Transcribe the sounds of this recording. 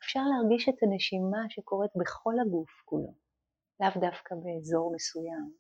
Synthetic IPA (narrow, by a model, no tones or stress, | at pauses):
efʃaʁleaʁɡiʃetaneʃimaʃe̞ko̞ʁetbe̞χo̞laɡufkulo̞̰ | lavdafkabe̞ːzo̞ʁmesujam